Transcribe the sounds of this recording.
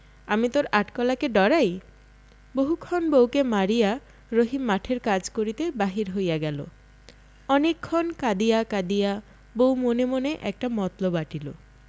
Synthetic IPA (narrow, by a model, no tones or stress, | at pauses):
amit̪oɾaʈkɔlakeɖɔɾaj | boɦukʰɔnbowkemaɾija | ɾoɦimːaʈʰeɾkad͡ʑkoɾit̪ebaɦiɾɦojaɡɛlo̰ | ɔnekʰːɔnkad̪ijakad̪ija | bowmonemoneʔɛk̚ʈamɔt̪lobaʈilo